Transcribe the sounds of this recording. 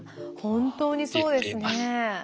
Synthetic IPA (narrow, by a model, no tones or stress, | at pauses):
hõ̞nt̪o̞ːɲ̟iso̞ːd̪e̞sɨne